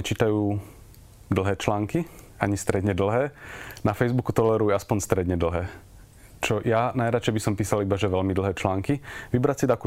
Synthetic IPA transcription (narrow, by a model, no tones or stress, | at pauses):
ɛt͡ʃiːt̪ajuː | d̪l̩ˠɦɛːt͡ʃlaːŋki | aɲist̪ɾɛd̪ɲɛd̪l̩ˠɦɛːnafɛjzbukut̪ɔlɛɾujaspɔɲst̪ɾɛd̪ɲɛd̪l̩ˠɦɛː | t͡ʃɔjanajɾat͡ʃɛjbisɔmpiːsalibaʒɛʋɛʎmid̪l̩ˠɦɛːt͡ʃlaːŋkiʋibɾatsid̪aku